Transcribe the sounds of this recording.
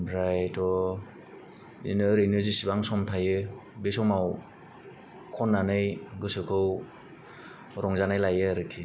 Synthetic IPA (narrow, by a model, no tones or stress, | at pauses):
bɾajtɔ | ḭnɯɾenɯzisibaŋsɔmtʰajɯbesɔmaw | kʰɔnːanɯjɡɯsɯkʰɯw | ɾɔŋzanajlajɯaɾɯkʰi